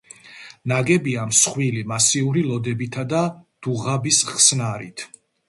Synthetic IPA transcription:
naɡɛbiamsχwilimasiuɾilˠɔd̪ɛbit̪ʰad̪ad̪̥uʁabisχsnaɾḭt̪ʰ

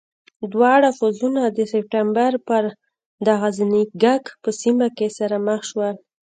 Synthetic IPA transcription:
d̪wɑɽafuzunad̪əsɪp̚ʈambaɾpəɾ | d̪aɣazaniɡakpəsimakesaɾaməxʃwəl

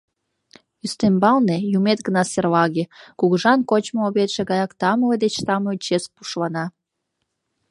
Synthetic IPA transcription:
yst̪embɑlnejumet̪̚ɡənɑserlɑɣekuɣəʒɑnkot͡ɕmooβet̪ʃeɣɑjɑkt̪ɑmled̪et͡ɕt̪ɑmot͡ɕespuʃlɑnɑ

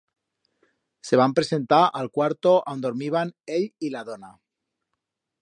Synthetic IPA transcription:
se̞β̞ampɾe̞se̞nt̪aʔalkwaɾt̪o̞ʔawnd̪oɾmiβ̞aneʎilaðona

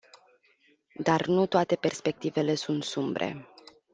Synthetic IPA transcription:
d̪arnut̪oat̪e̞pe̞rspe̞k̚t̪ive̞le̞sunt̪sumbɾe̞̰

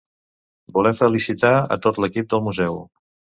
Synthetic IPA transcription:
bulɛfəlisit̪aə̰t̪ot̪ləkip̚d̪əlˠmuzɛw

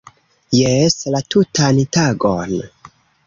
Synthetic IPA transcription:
jeslatutantaɡon

